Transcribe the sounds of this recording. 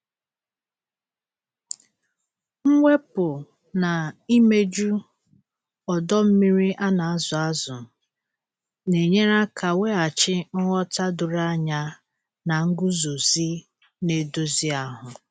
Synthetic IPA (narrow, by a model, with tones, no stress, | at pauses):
ŋ̩˦ŋʷe˦pʊ˨ | na˨i˦me˦d͡ʒu˦ | ɔ˨dɔ˦m̩˦mi˦ɾi˦ʔa˦na˨˦zʊ˨a˦zʊ˨ | ne˨ɲe˦ɾa˦kʰa˨we˦a˨t͡ʃɪ˦n̩˦ŋɔ˦ta˦dʊ˨ɾa˦ɲa˦ | na˨ŋ̩˦ɡʊ˦zo˨zi˦ | ne˨do˦zi˦a˦ɦʊ˨